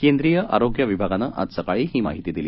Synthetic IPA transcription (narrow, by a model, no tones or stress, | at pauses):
kend̪ɾiːjəʔa̰ɾoɡjɐʋibʱaɡanəʔa̰d̪səkaɭiɦiːma̰ɦit̪id̪ili